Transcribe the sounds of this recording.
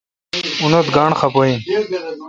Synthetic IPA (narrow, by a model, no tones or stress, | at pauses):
unot̪ɡaːɳxapoĩn